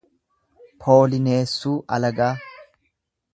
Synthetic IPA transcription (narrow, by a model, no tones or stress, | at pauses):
pʰo̞ːlɪne̞ːsːuːʔɐ̰lɐɡaː